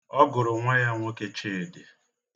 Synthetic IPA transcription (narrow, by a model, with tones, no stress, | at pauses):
ɔ˦ɡʊ˨ɾʊ˨ŋʷa˦ja˦ŋʷo˦ke˦t͡ʃe˦e˨dɪ˨